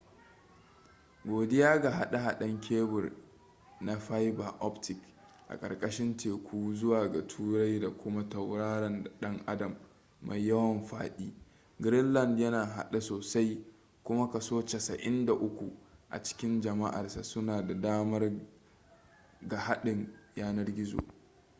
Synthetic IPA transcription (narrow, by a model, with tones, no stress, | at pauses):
ɡʷoː˨dɪ˦jaː˦ɡa˨ɦa˦ɗa˦ɦa˦˨ɗɐ˦ŋkʲʰeː˦bʊ˨r | na˦ɸa˦jba˨ʔɔ˦ptɪ˨k | ʔa̰˨kʼɐ̰˨rkʼɐ˦ʃɪ˦nteː˨kʷʰuː˦zʊ˦waː˨ɡa˨tʰuː˦ɾa˦jda˨kʷʊ˦ma˦tɐ˨wɽaː˦ɽɐ˨n˨ɗɐ˦ŋʔa˦dɐ˨mː | a̰˨jːɐ˦wɐ˨mɸa̰ː˦ɗiː˦ | ɡɾɪ˦nlɐ˦˨ndjɐ˦naː˨ɦa̰˨ɗa˦soː˨sa˦j | kʷʊ˦ma˦kɐ˨soː˦t͡ʃe˨sɐ˨ʔɪ˦nda˨ʔʊ˦kʷu˨ʔa̰˨t͡ʃɪ̥˦kʲɪ˦nd͡ʒɐ˨ma̰˦ʔa̰˨rsa˨sʊ˦naː˨da˨daː˦mɐ˦r | ɡa˨ha˦ɗɪ˨ŋjaː˦nɐ˦rɡʲɪ˦zo̰˨